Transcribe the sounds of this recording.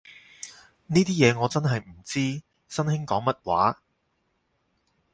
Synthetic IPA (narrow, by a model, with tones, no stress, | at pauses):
niː˥t̪iː˥jɛː˨˧ŋɔː˨˧t͡sɐ˥nɦɐ˨jm̩˨˩t͡siː˥ | sɐ˥nhɪ˥ŋkɔː˨˥ŋmɐ˥t̚wa̰ː˨˥